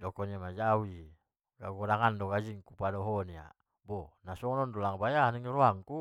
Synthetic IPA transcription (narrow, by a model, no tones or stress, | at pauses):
dɔkɔniamad͡ʒawi | ɡaɡɔɾaŋandoɡad͡ʒiŋkupadɔɦɔnia̰ | bɔnasɔŋnɔndɔlaŋbajaniŋɾoaŋku